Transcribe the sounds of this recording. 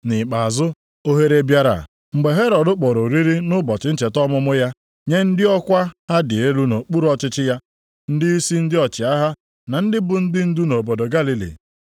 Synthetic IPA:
nɪ˨k͡pa˨a˨zʊ˦ | o˦ɦe˦ɾe˦bja˦ɾa̰˨ | ŋ͡m̩˨ɡ͡be˨ɦe˦ɾɔ˨dʊ˦k͡pɔ˨ɾo˨ɾi˦ɾi˦nʊ˦bɔ˨t͡ʃɪ˦n̩˦t͡ʃe˨tɔ˦mʊ˦mʊ˦ja˦ | ɲe˦n̩˦dɪ˦ɔ˦kʷa˦ha˦dɪ˨e˦lu˦no˨k͡pu˦ɾu˦ɔ˦t͡ʃɪ˦t͡ʃɪ˦ja˦ | n̩˦dɪ˦i˦si˦n̩˦dɪ˦ɔ˨t͡ʃɪ˨a˦ɦa˦ | na˨n̩˦dɪ˦bʊ˨n̩˦dɪ˦n̩˦du˦no˨bo˨do˨ɡa˦li˦lḭ˨

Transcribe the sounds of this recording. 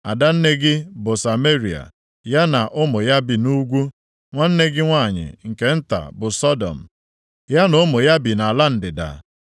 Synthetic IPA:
a̰˨da˦n̩˦ne˦ɡɪ˦bʊ˨sa˨me˦ɾi˨a̰˨ | ja˦na˨ʔʊ˦mʊ˨ja˦bi˨nu˦ɡʷu˦ | ŋʷa˦n̩˦ne˦ɡɪ˦ŋʷaː˦˨ɲɪ̰˨ŋ̩˨ke˦n̩˦ta̰˨bʊ˨sɔ˦dɔ̰˨m̩˨ | ja˦nʊ˨˦mʊ˨ja˦bi˨na˨la˦n̩˨dɪ˨da̰˨

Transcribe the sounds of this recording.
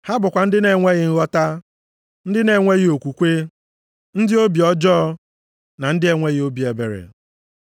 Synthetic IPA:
ha˦bʊ˨kʷa˨n̩˦dɪ˦ne˨ŋʷe˦ɣɪ˦ŋ̩˦ɣɔ˦ta˦ | n̩˦dɪ˦ne˨ŋʷe˦ɣɪ˦o˨kʷu˨kʷe˦ | n̩˦dɪ˦o˦bi˨ɔ˦d͡ʒɔ˦ | na˨n̩˦dɪ˦e˨ŋʷe˦ɣɪ˦o˦bi˨e˨bḛ˨ɾḛ˨

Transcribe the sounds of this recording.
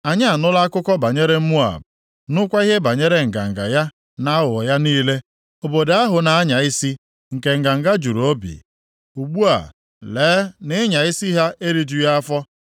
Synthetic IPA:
a˨ɲa˦a˨nʊ˦la˦a˦kʊ˦kɔ˦ba˨ɲe˦ɾe˦m̩˦mu˦a̰˨b̚ | nʊ˦kʷa˦i˦ɦe˦ba˨ɲe˦ɾe˦ŋ̩˨ɡa̰˨ŋ̩˨ɡa̰˨ja˦ | na˦wʊ˨ja˦niː˦le˦ | o˨bo˨da˦ɦʊ˨na˨a˦ɲa˨ɪ˦si˦ | ŋ̩˨ke˨ŋ̩˨ɡa˨ŋ̩˨ɡa˦d͡ʒu˨ɾo˦bḭ˨ | u˨ɡ͡bu˦a̰˨ | leː˨˦nɪ˦ɲa˨ɪ˦si˦ɦa˦e˦ɾi˨d͡ʒu˦ja˦a˦fɔ˦

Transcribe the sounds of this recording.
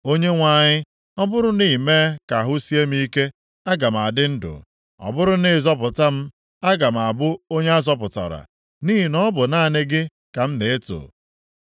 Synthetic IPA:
o˦ɲe˦ŋʷa˨ɲɪ˦ | ɔ˦bʊ˦ɾʊ˦ni˦˨me˦ka˨ɦʊ˦si˦e˦m˦i˦ke˦ | a˦ɡa˨m̩˨a˨dɪ˦n̩˦dʊ̰˨ | ɔ̰˨bʊ˦ɾʊ˦nɪ˦˨zɔ˦p̬ʊ˨ta˦m̩˦ | a˦ɡa˨m̩˨a˨bʊ˦o˦ɲe˦a˦zɔ˦p̬ʊ˨ta̰˨ɾa̰˨ | niː˦i˨nɔ˦bʊ˨na˦˨nɪ˦ɡɪ˦ | ka˨m̩˦ne˨e˦to̰ː˨

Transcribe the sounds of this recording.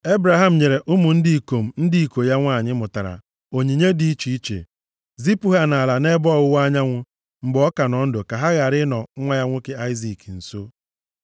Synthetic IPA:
e˦bɾa˨ɦa˦m̩˨ɲe˨ɾe˨ʔʊ˦mʊ˨n̩˦di˦˨ko˨m̩˨n̩˦di˦i˨ko˨ja˦ŋʷa˦˨ɲɪ˦mʊ˨ta˨ɾa̰˨ | o˨ɲi˨ɲe˦di˦i˦t͡ʃi˦i˦t͡ʃḛ˨ | zi˦pu˦ɦa˦n˨a˨la˨ne˦bɔ˦˨ɣʊ˦wa˦ɲa˦ŋʷʊ˦ | ŋ͡m̩˨ɡ͡bɔ˦ka˨nɔ˨n̩˦dʊ˨ka˨ɦa˦ɣa˨ɾɪ˦nɔ˨˦ŋʷa˦ja˦ŋʷʊ˦kɪ˦a˦ɪ˦zi˨kn̩˨so˦

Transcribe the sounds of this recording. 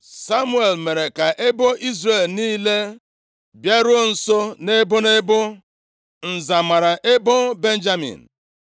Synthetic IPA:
sa˦mu˦e˨lme˨ɾe˨ka˨ʔe˦bo˦ʔi˦zre˨lniː˦le˦ | bja˦ɾo˦˨n̩˨so˦ne˦bʊ˦ne˦bʊ˦ | n̩˨za˨ma˨ɾa˨ʔe˦bo˦be˦n˦d͡ʒa˦mḭ̃˨n̩˨

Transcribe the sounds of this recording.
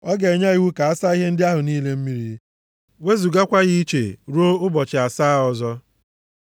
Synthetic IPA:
ɔ˦ɡe˨ɲa˦i˦wu˦ka˨a˦sa˦i˦ɦe˦n̩˦dɪ˦a˦ɦʊ˨niː˦le˦m̩˦mi˦ɾi˦ | we˦zu˨ɡa˦kʷa˦ɣi˦i˦t͡ʃḛ˨ɾo˦ʊ˦bɔ˨t͡ʃɪ˨a˨sa˦ɔ˨zɔ˦

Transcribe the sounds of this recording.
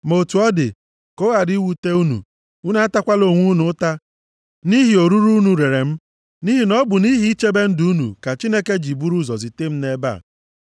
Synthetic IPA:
mo˨tu˨ɔ˦dɪ̰˨ | ko˦ɣa˨di˨˦wu˨te˦u˦nṵ˨ | u˦na˦a˦ta˦kʷa˦lo˨ŋʷu˦nʊ˨˦ta˦ | ni˦ɦi˨o˨ɾu˦ɾu˦nu˨ɾe˨ɾe˨m̩˦ | ni˦ɦi˨nɔ˦bʊ˨ni˦ɦi˦i˦t͡ʃe˦be˦n̩˦du˨˦u˦nṵ˨ka˨t͡ʃi˦ne˦ke˦d͡ʒi˨bu˦ɾu˦zɔ˨zi˨te˦m̩˦ne˦ba̰˦˨

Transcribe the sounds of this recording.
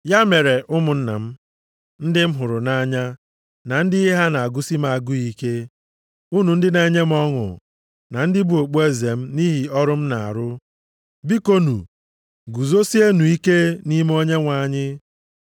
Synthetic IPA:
ja˦me˨ɾe˨ʔʊ˦mʊ˨n̩˦na̰˨m̩˦ | n̩˦dɪ˦m̩˦ɦʊ˨ɾʊ˨na˦ɲa˦ | na˨n̩˦dɪ˦i˦ɦa˦na˨a˨ɡʊ˦si˦m˦a˨a˨ɡʊ˦i˦ke˦ | u˦nu˨n̩˦dɪ˦ne˨e˦ɲe˦m̩˦ɔ˦ŋʊ̰˨ | na˨n̩˦dɪ˦bu˦o˨k͡po˦e˦ze˨m̩˦ni˦ɦi˨ɔ˦ɾʊ˦m̩˦na˨a̰˨ɾʊ˦ | bi˦ko˦nṵ˨ | ɡu˨zo˦si˦e˦nu˨i˦ke˦ni˦m˦o˦ɲe˦ŋʷa˨ɲɪ˦

